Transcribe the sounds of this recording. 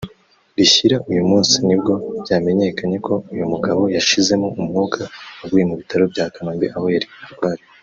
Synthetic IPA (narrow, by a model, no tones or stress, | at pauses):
ɾiçiɾaʔujumuːnsinibɡo̞bɟaːme̞ɲe̞kaɲe̞kʰo̞ujomuɡaβo̞jaʃize̞moumhokaaɡwijemuβitʰaɾo̞bɟaːkanoːmbeʔahojeɾekanaɾɡwaːɾi